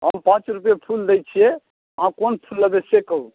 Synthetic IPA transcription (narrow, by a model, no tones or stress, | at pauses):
ɦəmpãt͡ʃɾupjepʰuld̪ɛjt͡ʃʰijɛ | ãkonpʰulːəbesekəɦ